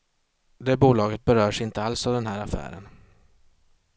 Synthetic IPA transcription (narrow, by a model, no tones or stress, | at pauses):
d̪ɛbuːlɑːɡət̪̚bɛɾœːʂɪnt̪əalsavd̪ɛnɦæːɾafæ̰ːɾə̰n